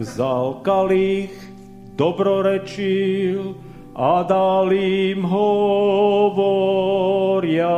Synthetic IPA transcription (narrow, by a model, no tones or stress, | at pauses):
zalkaliːɣ | d̪ɔbɾɔɾɛt͡ʃil | ad̪alimɦɔ | ʋɔ | ɾɪa